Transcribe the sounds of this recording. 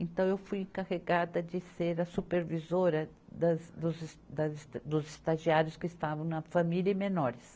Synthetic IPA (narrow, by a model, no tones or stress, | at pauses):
ẽnt̪ɐ̃w̃ewfujẽŋkaʁeɡad̪ɐd͡ʒ̪ɪseɾɐsupeɾvizoɾɐ | d̪ɐzd̪ʊzsd̪ɐzsd̪ʊzest̪aʒiaɾjʊskɪːst̪avɐ̃w̃nɐfamiljɐ̃menɔɾɪs